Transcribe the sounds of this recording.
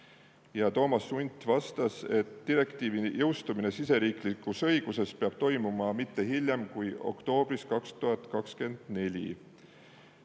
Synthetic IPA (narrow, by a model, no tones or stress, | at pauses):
jɑt̪o̞ːmɑsːunʲt̪vɑst̪ɑse̞t̪ːiɾe̞kt̪iːvijɤwst̪umine̞sise̞ɾiːklikːˑusɤjɡ̥use̞speɑb̥̚t̪o̞jmumɑmit̪ːe̞ɦilʲjɑmkujo̞̰kt̪o̞ːb̥riskɑkst̪uɦɑt̪ˑkɑkske̞nd̪̥ne̞lʲḭ